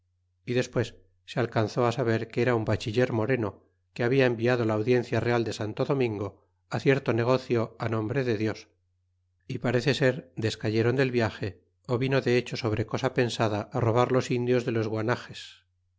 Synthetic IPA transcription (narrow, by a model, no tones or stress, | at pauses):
iðe̞spwe̞sː | ealkanθo̞asaβe̞ɾkeeɾaumbat͡ʃiʎe̞ɾmo̞ɾe̞no̞ | keaβiae̞mbiað̞olaːwðje̞n̟θjare̞ald̪e̞sant̪o̞ðo̞mĩŋɡo̞ | aθje̞ɾt̪o̞ne̞ɣ̞o̞θjo̞anõ̞mbɾe̞ðe̞ðjo̞s | ipaɾe̞θe̞se̞ɾd̪e̞skaʝe̞ɾond̪e̞lβjaxe̞ | oβino̞ðe̞et͡ʃo̞so̞β̞ɾe̞ko̞sape̞nsaðaʔːro̞β̞aɾlo̞sind̪jo̞zðe̞lo̞zɣwanaxe̞s